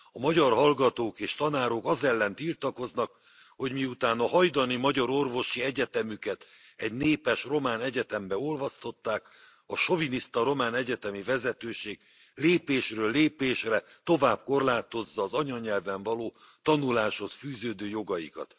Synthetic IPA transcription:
ɒmɒɟɒrɦɒlɡɒt̪oːkeːʃt̪ɒnaːɾo̞kɒzɛlːɛnt̪ilt̪ɒko̞znɒk | ho̞ɟmiut̪aːnɒɦɒjd̪ɒnimɒɟɒɾo̞rvo̞ʃiɛɟɛt̪ɛmykɛt̪ɛɟneːpɛʃro̞maːnɛɟɛt̪ɛmbɛo̞lvɒst̪o̞t̪ːaːk | ɒʃo̞vinist̪ɒɾo̞maːnɛɟɛt̪ɛmivɛzɛt̪øːʃeːɡ̚ | leːpeːʃrøːlːeːpeːʃrɛt̪o̞vaːb̚ko̞rlaːt̪o̞zːɒːzɒɲɒɲɛlvɛɱvɒloː | t̪ɒnulaːʃho̞sfyːzøːd̪øːjo̞ɡɒjḭkɒ̰t̪

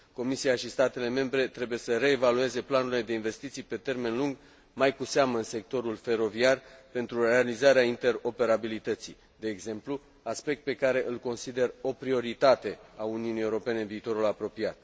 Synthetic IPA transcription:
ko̞misiaʃist̪at̪e̞le̞me̞mbɾe̞t̪ɾe̞buje̞səɾe̞ːvalue̞ze̞planuɾile̞d̪e̞inve̞st̪it̪sijpe̞t̪e̞rme̞nluŋɡ | majkuseaməɨnse̞k̚t̪o̞ɾulfe̞ɾo̞viarpe̞nt̪ɾurealizaɾeaint̪e̞ɾo̞pe̞ɾabilit̪ət̪sij | d̪e̞ːɡze̞mplu | aspe̞k̚t̪̚pe̞kaɾe̞ʔɨlko̞nsid̪e̞ro̞pɾio̞ɾit̪at̪e̞auniunijeuɾo̞pe̞ne̞ɨnviːt̪o̞ɾulapɾo̞piat̪̚

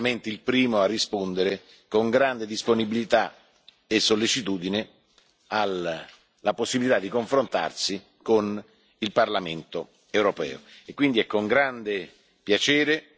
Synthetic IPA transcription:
ment̪ilpɾiːmoarːispond̪eɾe | koŋɡɾand̪ed̪isponibilit̪a | esːolːet͡ʃit̪uːd̪ine | alː | aposːibilit̪ad̪ːikoɱfɾont̪a̰rsi | kon | ilparlament̪o | ewɾopɛ̰ːo̰ekːwind̪iɛkːoŋɡɾand̪e | pjat͡ʃɛːɾe

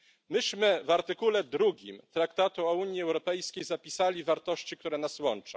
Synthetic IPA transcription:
mɘɕmɘvaɾt̪ɘkulɛd̪ɾuɡʲḭmt̪ɾakt̪at̪uɔuɲjiɛwɾɔpɛjskʲejzapʲisalʲivaɾt̪ɔɕt͡ɕikt̪uɾɛnaswɔnt͡ʂɔ̰̃

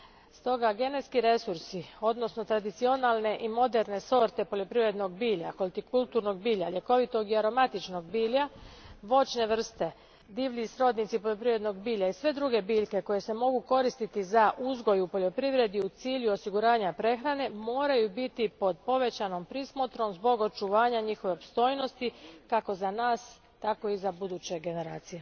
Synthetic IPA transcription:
st̪o̞ɡaɡe̞ne̞t̪skiɾe̞suɾsio̞d̪no̞sno̞t̪ɾad̪it̪sio̞nalˠne̞ʔimo̞d̪e̞ɾne̞so̞ɾt̪e̞po̞ʎo̞pɾiʋɾe̞d̪no̞ɡbiːʎaxolt̪ikulˠt̪uɾno̞ɡ̚biːʎaʎe̞ko̞ʋit̪o̞ɡiaɾo̞mat̪it͡ʃno̞ɡ̚biːʎaʋo̞t͡ʃne̞ʋr̩st̪e̞ | d̪iːʋlʎisɾo̞ːd̪nit̪sipo̞ʎo̞pɾiʋɾed̪no̞ɡ̚biːʎaisʋe̞d̪ɾuɡe̞biːʎke̞ko̞je̞se̞mo̞ɡuko̞ɾist̪it̪izaʔuzɡo̞jupo̞ʎo̞pɾiʋɾe̞d̪iut̪siːʎuo̞siɡuɾaːɲapɾe̞xɾane̞mo̞ːɾajubit̪ipo̞d̪̚po̞ʋe̞t͡ɕano̞mpɾismot̪ɾo̞mzbo̞ɡo̞t͡ʃuʋaːɲaɲixo̞ʋeopst̪o̞ːjno̞st̪ikako̞zanaːs | t̪ako̞izabud̪uːt͡ɕe̞ɡe̞ne̞ɾaːt̪sije

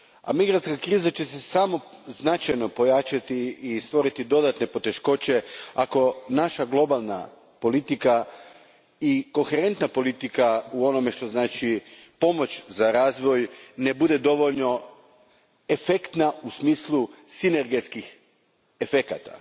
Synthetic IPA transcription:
a̰miɡɾat̪skakɾiːzat͡ɕe̞se̞samo̞ | znat͡ʃajno̞po̞jat͡ʃat̪iːst̪ʋo̞ɾit̪id̪o̞d̪at̪ne̞po̞t̪e̞ʃko̞t͡ɕe̞ako̞naʃaɡlˠo̞balˠna̰ | po̞lit̪ika | iko̞nxeɾe̞nt̪napo̞lit̪ikauo̞no̞me̞ʃt̪o̞znaːt͡ʃipo̞mo̞t͡ʃzaɾaːzʋo̞jne̞bud̪e̞d̪o̞ʋo̞ʎno̞ | e̞fekt̪nausmiːslˠusine̞ɾɡe̞t̪skix | e̞fe̞kat̪a̰

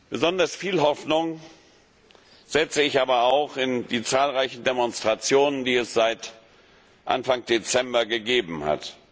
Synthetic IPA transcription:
b̥əzɔndɐsfiːlɦɔfnʊŋ | z̥ɛt͡səɪçʔaːbɐaʊxɪndiːt͡saːlʁaɪçn̩demɔnstʁ̥at͡sjoːnəndiːɛsz̥aɪt | ʔa̰nfaŋd̥et͡sɛmbɐɡəɡeːbm̩ha̰t

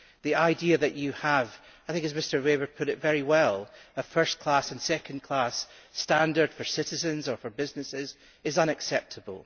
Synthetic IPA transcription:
ðiaɪdiəðɨt͡ʃɨəv̥ | aɪθɪ̃ŋkɨzmɪstə˞webə˞pʰʊʔɪʔvɛɹiwɛlˠəfɜ˞skʰl̥asə̃nsɛkə̃nkʰl̥astãndə˞d̥fə˞sɪʔɪzə̃nzə˞fə˞bɪznɪsɪz | ɪzʌ̃ñɨksɛp̚tʰəbə̰l̩ˠ

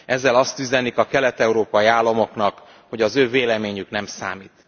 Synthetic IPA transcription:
ʔɛzːɛlɒst̪yzɛnikɒkɛlɛt̪ɛuɾoːpɒjiaːlːɒmo̞knɒk | ho̞ɟɒzøːveːlɛmeːɲyknɛmsa̰ːmiːt̪

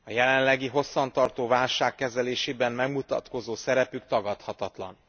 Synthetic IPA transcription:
ɒjɛlɛnlɛɡiɦo̞sːɒnt̪ɒrt̪oːvaːlʃaːkːɛzɛleːʃeːbɛmmɛɡmut̪ɒ̰t̪ko̞zoːsɛɾɛpykt̪ɒɡɒt̪hɒt̪ɒt̪lɒ̰n

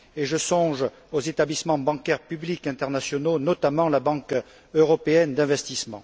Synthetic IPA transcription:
eʒəsɔ̃ʒ | ozet̪ablismɑ̃bɑ̃kɛʁpyblikɛ̃t̪ɛʁnasjɔnonɔt̪amɑ̃labɑ̃k | øʁɔpeɛnd̪ɛ̃vɛst̪ismɑ̰̃

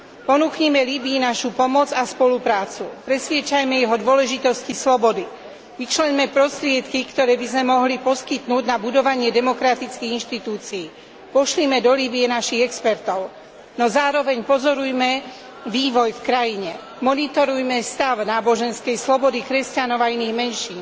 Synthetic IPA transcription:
pɔnuːxɲimɛlibiːnaʃupɔmɔd͡zaspɔlupɾaːt͡supɾɛsʋɪɛt͡ʃajmɛjɛɦɔd̪ʊɔlɛʒit̪ɔscislɔbɔd̪i | ʋit͡ʃlɛɲmɛpɾɔst̪ɾɪɛt̪kikt̪ɔɾɛːbizmɛmɔɦlipɔskit̪nuːɟnabud̪ɔʋaɲɪɛd̪ɛmɔkɾat̪it͡skiɣinʃt̪it̪uːt͡siː | pɔʃlimɛd̪ɔliːbiɛnaʃiɣɛkspɛɾt̪ɔʊ | nɔzaːɾɔʋɛɲpɔzɔɾujmɛ | ʋiːʋɔjfkɾajiɲɛ | mɔnit̪ɔɾujmɛst̪aʊnaːbɔʒɛnskɛjslɔbɔd̪ikɾɛscanɔʊainiːɣmɛnʃiːn

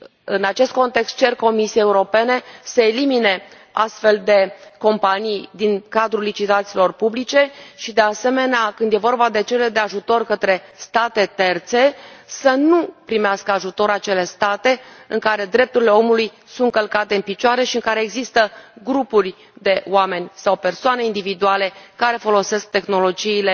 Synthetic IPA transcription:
ɨnat͡ʃe̞st̪̚ko̞nt̪e̞kst̪̚t͡ʃe̞rko̞misiejeuɾo̞pe̞ne̞səelimine̞ | a̰st̪fe̞ld̪e̞ko̞mpanijd̪iŋkad̪ɾulːit͡ʃit̪at̪silo̞rpublit͡ʃe̞ʃid̪e̞ase̞me̞neakɨnd̪jevo̞rbad̪e̞t͡ʃe̞led̪e̞aʒut̪o̞rkət̪ɾe̞st̪at̪e̞t̪e̞rt̪se̞sənupɾimeaskəaʒut̪o̞ɾat͡ʃe̞le̞st̪at̪e̞ɨ̰ŋkaɾe̞d̪ɾe̞p̚t̪uɾile̞o̞muluj | sunt̪kəlkat̪e̞ɨnpit͡ʃoaɾeʃiɨŋkaɾe̞ːɡzist̪əɡɾupurʲ | d̪e̞oame̞nʲsawpe̞rsoane̞ind̪ivid̪uale̞kaɾe̞fo̞lo̞se̞sk̚t̪e̞xno̞lo̞d͡ʒiːle̞

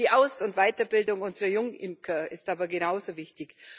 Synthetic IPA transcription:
iːʔaʊsʊntvaɪtɐbɪldʊŋʊnzəʁɐjʊŋʔɪmkʰəɪstʔaːbɐɡenaʊzovɪçtɪç

